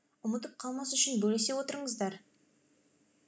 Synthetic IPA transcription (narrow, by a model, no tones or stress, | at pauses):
ʊmət̪əp̚qʰɑlˠmɑsʏʃɪnbɵles̬e̞wo̞t̪əɾəɴəzd̪ɑɾ